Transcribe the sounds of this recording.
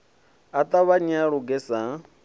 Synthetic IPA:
at̪ʼaβaɲaɺuɡɛsa

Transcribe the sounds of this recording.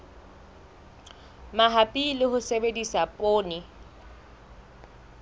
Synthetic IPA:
maɦapʼilɪɦʊsebedisapʼoːnɪ

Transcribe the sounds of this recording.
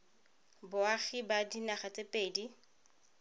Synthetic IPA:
bʊaχɪbadinaχat͡sʼepʼeːdi

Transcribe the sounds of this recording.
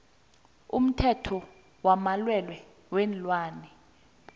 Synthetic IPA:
ṵm̩tʰɛtʰɔ | wamalwɛlwɛ | wɛnlwaːnɛ

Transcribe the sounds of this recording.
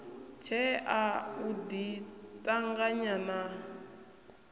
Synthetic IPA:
t͡ʃʰɛauditʼaŋɡaɲana

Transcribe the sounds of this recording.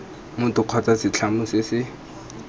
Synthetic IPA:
mʊtʼʊq͡χʰwat͡sasɪt͡ɬʰamʊsɪsɪ

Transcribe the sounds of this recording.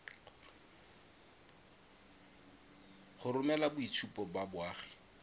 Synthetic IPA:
χʊɾʊmɛlabʊit͡sʰupɔbabʊaːχɛ̥

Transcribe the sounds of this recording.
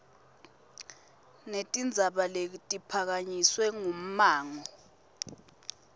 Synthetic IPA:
netʼind͡zʱaɓaletʼipʰak̬aɲiswɛŋum̩maːŋɔ

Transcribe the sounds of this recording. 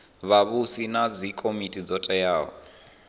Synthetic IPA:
βaβusinad͡zikʼomitʼid͡zɔtʼɛjaːɦɔ̰

